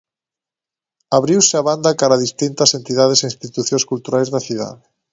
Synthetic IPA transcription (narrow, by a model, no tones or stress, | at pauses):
aβɾiwseaβand̪akaɾaðist̪int̪asent̪iðaðeseinst̪it̪uθjõŋskult̪uɾajzðaθiða̰ðe